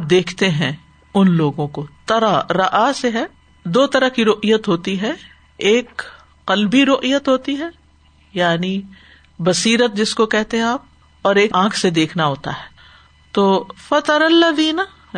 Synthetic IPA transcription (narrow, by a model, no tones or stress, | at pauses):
aːp̚d̪eːkʰt̪eɦɛ̃ | ʊnloːɡõkot̪ɐɾaɾɐʔaseɦɛ | d̪oːt̪ɐɾəkiɾoːʔijət̪ɦoːt̪iɦɛ | eːk | qɐlbiɾoːʔijət̪ɦoːt̪iɦɛ | jaːni | bɐsiːɾət̪̚d͡ʒɪskokɛɦt̪eɦɛ̃aːp̚ | ɔːɾeːkãːkʰsed̪eːkʰnaɦoːt̪a̰ɦɛː | t̪oːfɐt̪ɐɾɐlːɐðiːna